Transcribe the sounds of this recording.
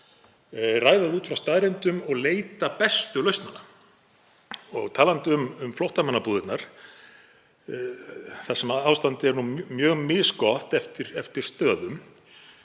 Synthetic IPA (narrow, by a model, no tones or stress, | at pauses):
raːjðaðuːt̪fɾawst̪aːðɾɪnt̪ʏmɔɣleːjt̪apɛst̪ʏlœɥst̪nana | ɔɣt̪ʰaːlant̪ʏmʏmflowht̪amanːapuːðɪt̪naɾ̥ | θasɛmaawst̪ant̪ɪɛɾnumjœːɣmɪðskɔht̪ɛft̪ɪɾɛft̪ɪɾ̥st̪œːðʏm